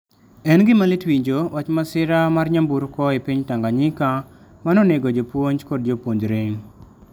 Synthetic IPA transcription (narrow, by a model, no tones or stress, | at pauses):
ɛnɡɪmalɪtwiɲd͡ʒowat͡ʃmasɪɾamarɲambuɾkɔipiɲtaŋɡaɲɪka | manoneɡod͡ʒopwoɲd͡ʒkɔd̚d͡ʒopwoɲd͡ʒɾeŋ